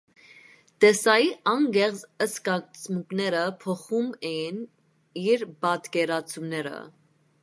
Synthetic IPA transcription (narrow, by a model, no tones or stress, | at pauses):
t̪ɛsɑjiʔɑŋɡɛʁt͡səskɑt͡smuknɛɾəpʰɔχumɛjin | iɾbɑt̪kɛɾɑt͡sʰumnɛɾə̰